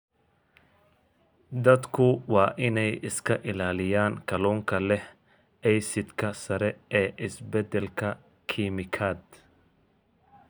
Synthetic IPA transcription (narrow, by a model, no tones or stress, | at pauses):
d̪ɐd̪kʰʊwɑːʔɪnɛjɪskʰɐʔɪlaːlɪjaːŋkʰɐlɔːŋkʰɐlɛh | ɛjsɪd̪kʰɐsɐɾɛɛːʔɪsbɛd̪ɛlkʰɐ | kʰimɪkʰaːd̪